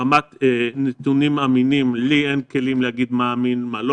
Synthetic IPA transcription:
amat̪enet̪unimaminimlienkelimleaɡid̪maːminmalo

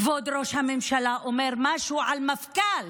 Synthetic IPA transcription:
vod̪ɾoʃhamemʃalaʔomeʁmaʃuʕalmafkal

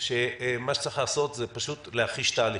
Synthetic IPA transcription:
ʃemaʃe̥t͡saiχlaːso̞t̪zepaʃut̪lehaχiʃt̪aːli

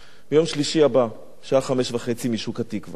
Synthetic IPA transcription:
bejo̞mʃliʃiaba | ʃaːχame̞ʃvaχe̞t͡simiʃukatikva

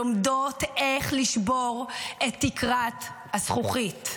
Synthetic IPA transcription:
omdoteχliʃboʁʔet̪ːikʁat | hasχuχit

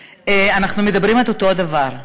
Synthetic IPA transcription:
eanaχnumedabʁimaltoto̞davaʁ

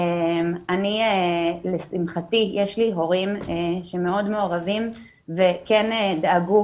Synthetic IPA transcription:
emanielesimχatijʔeʃliɦo̞ʁimeʃeme̞o̞dme̞oʁavim | ve̞kenedaɡu

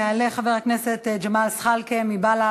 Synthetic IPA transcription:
aleχaveʁakneset̪d͡ʒamalsχalkemibala

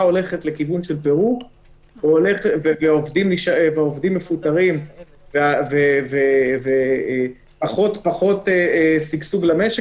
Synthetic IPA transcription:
ao̞le̞χetle̞kivunʃelpeʁu | veoleχveveaovd̪imliʃaevaovd̪imːefut̪aʁim | veaveveve | paχo̞t̪paχo̞t̪eesiɡsuvlameʃe

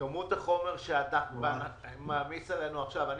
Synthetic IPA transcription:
amutaχo̞me̞ʁʃeat̪avea | maːmisale̞nuaχʃavan

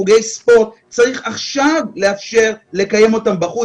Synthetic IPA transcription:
uɡe̞jspo̞ʁt̪̚ | t͡saʁiχaχʃavle̞afʃe̞ʁle̞kaje̞mo̞tambaχu

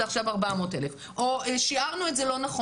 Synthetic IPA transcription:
aχʃavaʁbamo̞te̞lef | ʔoeʃiaʁnuetzelo̞naχo

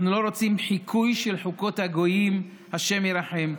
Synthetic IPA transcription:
nulo̞ɾo̞t͡simħikʰujʃelħuko̞t̪haɡo̞jim | haʃe̞mjeɾaħem

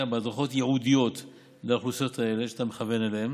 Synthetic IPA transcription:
abead̪ʁaχo̞t̪je̞ʕudijo̞t̪ | leaχuso̞t̪ae̞leʃeat̪ameχave̞naleem

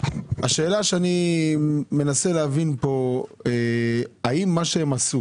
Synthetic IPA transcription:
aʃe̞ːlaʃeani | me̞naseleavinpo̞eaimːaʃeemasu

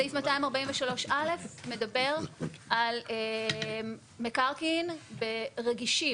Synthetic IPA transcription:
aifmataimaʁbaiɱveʃalo̞ʃale̞fme̞dabe̞ʁale | mekaʁkinbeʁeɡiʃi

